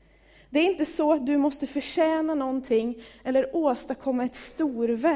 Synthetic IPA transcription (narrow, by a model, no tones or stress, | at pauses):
d̪ɛæɾɪnt̪əsɔat̪̚d̪ɵmɔst̪əfœʂɛːnanɔnt̪ʰɪŋːɛlːəɾoːst̪akʰɔmːaɛt̪st̪uːɾvæ